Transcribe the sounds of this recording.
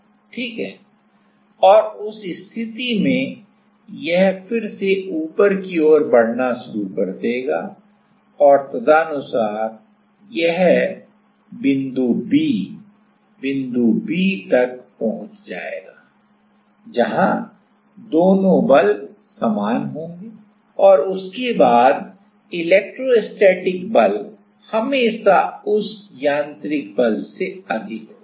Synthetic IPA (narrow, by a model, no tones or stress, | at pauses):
ʈʰiːkɦɛː | ɔːɾʊsɪst̪ʰɪt̪imẽ | jɛɦfɪɾseʔuːpəɾkioːɾbɐɽ̤naʃʊɾuɾkɐɾt̪eːɡa̰ː | ɔːɾt̪ɐd̪anʊsaːɾ | jɛɦ | bɪ̃nd̪ubiː | bɪ̃nd̪ubiːt̪ɐk̚pɐɦʊ̃t͡ʃd͡ʒa̰ːḛːɡaː | d͡ʒɐɦã | d̪oːnõbɐl | saːmaːnɦõːŋɡiː | ɔːɾʊskebaːd̪ | ɪleːk̚ʈɾoesʈeːʈɪkbɐl | hɐmeːʃaʊsjãːnt̪ɾɪk̚bɐlseɐd̪ʱɪkɦoː